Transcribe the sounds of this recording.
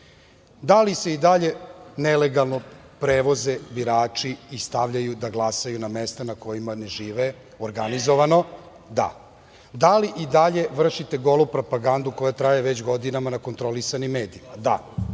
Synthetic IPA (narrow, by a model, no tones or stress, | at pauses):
d̪alise̞id̪aʎenele̞ɡalˠno̞ | pɾeːʋo̞zebiɾaːt͡ʂiːst̪aʋʎajud̪aɡlˠasajunamest̪anako̞jimane̞ʒiːʋe | oɾɡanizo̞ʋano̞ | d̪a̰ | d̪aliʔid̪aʎe̞ʋr̩ʃit̪e̞ɡo̞lˠupɾo̞paɡand̪uko̞jat̪ɾajeʋet͡ɕɡo̞d̪inamanako̞nt̪ɾo̞lisanimːeːd̪iimad̪a̰